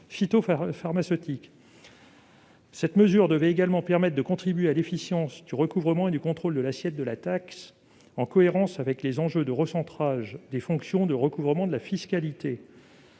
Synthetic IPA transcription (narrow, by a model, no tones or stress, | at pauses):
fit̪offaʁmasøt̪ik | sɛt̪məzyʁd̪əvɛeɡalmɑ̃pɛʁmɛt̪χd̪əkɔ̃t̪χibɥealefisjɑ̃sd̪yʁəkuvʁəmɑ̃ed̪ykɔ̃t̪χold̪əlasjɛt̪̚d̪əlat̪aks | ɑ̃kɔeʁɑ̃savɛklezɑ̃ʒød̪əʁəsɑ̃t̪χaʒd̪efɔ̃ksjɔ̃d̪əʁəkuvʁəmɑ̃d̪əlafiskalit̪e